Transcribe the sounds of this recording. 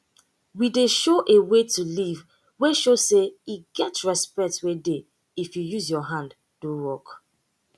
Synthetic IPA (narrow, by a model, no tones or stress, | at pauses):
wideʃoʔewetuliv | weʃoseiɡɛtɹɛspɛk̚twede | ifjujuzjɔɦãnd | dowɔk